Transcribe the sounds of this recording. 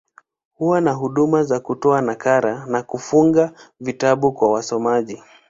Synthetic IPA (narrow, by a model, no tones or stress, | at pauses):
huwanaɦuɗumazakutɔanakaɾanakufuŋɡavitaɓukwawasɔmaʄi